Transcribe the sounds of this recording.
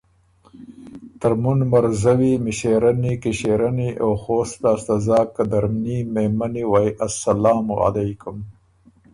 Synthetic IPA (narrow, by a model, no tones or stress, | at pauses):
t̪aɾmunmaɾzawimɪʃeɾanikiʃeɾaniʔowxoːst̪aːst̪azɑːkːad̪aɾmnimemaniwajʔasːalaːmɣa̰lajkʊm